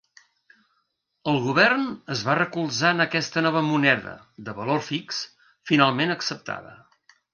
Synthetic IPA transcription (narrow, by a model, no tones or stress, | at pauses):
əlˠɣuβɛrnəzβarəkulˠzanəkɛst̪ənɔβ̞əmunɛðə̰ | ðəβəlorfiks | finalˠmenəksəp̚t̪ʰa̰ðə̰